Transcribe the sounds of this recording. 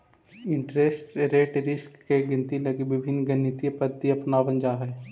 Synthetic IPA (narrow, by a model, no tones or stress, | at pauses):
ɪ̃ɳʈɾesʈɾeːʈɾɪskːeɡɪ̃nt̪ilɐɡiʋɪbʱɪnːɡənit̪ipəd̪ːiɐpnaːʋə̃nd͡ʒaɦɛː